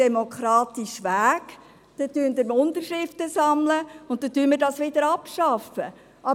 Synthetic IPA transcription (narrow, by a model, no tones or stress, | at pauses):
ɛmokʰɾɑːtiʃʋæːk | d̥̪ɛt̪yənd̪əɾmʊntəʃɾɪftəsɑmləʊnt̚t̪ːɛtyənmədɑsʋɪdəɾɑpʃɑfə̰ | ʔɑ